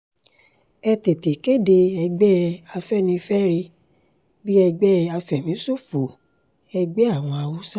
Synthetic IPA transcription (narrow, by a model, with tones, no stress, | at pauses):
ɛ˧te˨te˨ke˦de˧ɛ˧ɡ͡bɛ˦a˧fɛ˦nĩ˧fɛ˦ɾi˧ | bi˦ɛ˧ɡ͡bɛ˦a˧fɛ˨mĩ˨˦so˦˨fo˨ | ɛ˧ɡ͡bɛ˦a˦˨w̃ɔ̃˧a˧wo˦sa˦